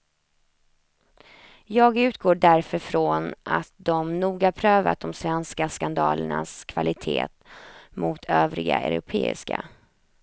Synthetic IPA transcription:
jɑːɡʉ̟ːt̪̚ɡoːɖæɾfəɾfɾonat̪̚d̪ɔmnuːɡapʰɾøːva̰t̪̚d̪ɔmsvɛnskaskand̪ɑːləɳaskʰv̥alɪt̪ʰeːt̪mʊt̪ʰøːvɾɪɡa̰œ̰ɾʊpʰeːɪ̰ska

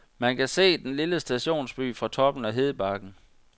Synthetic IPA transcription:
mænkʰæse̝̰ːd̥enliləsd̥æɕo̝̰ːnsb̥y̰ːfʁɑ̈t͡sʰɒ̽b̥n̩æɦe̝ð̞ˠəb̥ɑ̈ɡ̥n̩

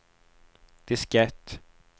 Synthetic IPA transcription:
d̪̥ɪskɛt̪ː

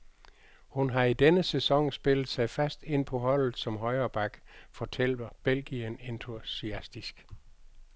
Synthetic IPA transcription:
hunɦɑ̈id̥enəsesɒ̽ŋsb̥e̝lð̩ˠsɑ̈ɪfæsd̥e̝n̰pʰɒ̽ɦɒ̽l̰ð̩ˠsɒ̽mɦɒ̽ɪɐːb̥ɑ̈ɡ̥fɒ̽t͡sʰel̰d̥ɐb̥elɡ̥iənent͡sʰusiæsd̥isɡ̥

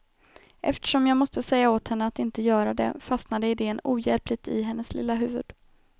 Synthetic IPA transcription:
ʔɛ̰ft̪ə̥ʂɔmjɑːɡmɔst̪əsɛjːaoːt̪hɛnːəat̪ɪnt̪əjœːɾad̪ɛ̰fast̪nad̪əɪd̪eːənuːjɛlplɪɡ̚t̪ɪ̰ɦɛnːəslɪ̰lːaɦʉ̟ːvɵ̰d̪̥

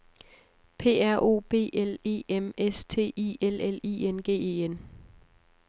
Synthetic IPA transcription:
pʰe̝̰ːæɐ̰ʔo̝̰ːb̥e̝̰ːʔele̝̰ːemest͡sʰe̝̰ːʔḭːelelḭːenɡ̥e̝̰ːe̝̰ːen

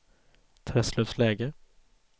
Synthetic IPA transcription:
t̪ʰɾɛslɵfslɛːɡə

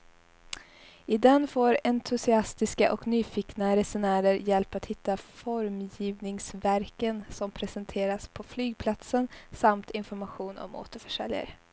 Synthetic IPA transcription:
ɪd̪ɛnfoːɾɛnt̪ʰɵsɪast̪ɪskaʔɔ̰knyːfɪknaɾɛsʊnæːɾəɾjɛlpat̪hɪt̪ːafɔɾmjiːvnɪŋsvæɾkənsɔmpʰɾɛsɛnt̪ʰeːɾaspʰɔflyːɡ̚pʰlat̪sənsamt̪ɪnfɔɾmaɧuːnɔ̰mo̰ːt̪əɾfœʂɛljə̰ɾ

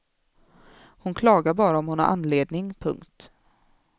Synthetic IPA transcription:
hʊnkʰlɑːɡaɾbɑːɾaɔmhʊna̰ɾʔa̰nːleːd̪nɪŋpʰɵ̰ŋkt̪

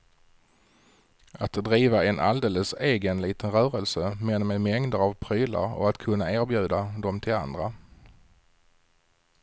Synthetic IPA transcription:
at̪d̪ɾiːvaɛnʔald̪eːləseːɡənliːt̪ənɾœːɾəlsəmɛnmɛmɛŋd̪əɾavpʰɾyːla̰ɾɔ̰at̪kʰɵnːaæːɾbjʉ̟ːd̪ad̪ɔmt̪ʰɪla̰nd̪ɾa

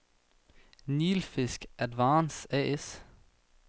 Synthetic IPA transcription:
niːlfɪskʔæd̪ʋɑːnsɛes

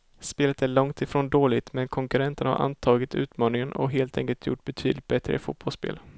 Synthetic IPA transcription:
speːlət̪æɭɔŋt̪ɪfɾoːnd̪oːlɪɡt̪mɛnkʰɔŋkɵɾɛnt̪ənha̰ɾʔa̰nt̪ʰɑːɡɪt̪ʉ̟ːt̪mɑːnɪŋənʔɔ̰ɦeːlt̪ʰɛ̰ŋkəlt̪ʰjʊ̰ʈːb̥ɛt̪ʰy̰ːd̪lɪt̪̚bɛt̪ɾə̰ɪfʊ̰t̪̚b̥ɔlspḛːl

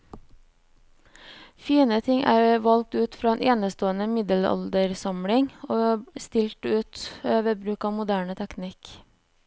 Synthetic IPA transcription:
fiːnət̪ʰɪŋʔæːɾʋɑlk̚t̪ʉːt̪fɾɑːeːnʔeːnəst̪oːənəmɪd̪əlɑ̰ld̪əɾsɑmɽɪŋoːst̪ɪlʈʉːt̪øːʋəbɾʉːkɑːmʊd̪æːɳət̪ʰæknɪk

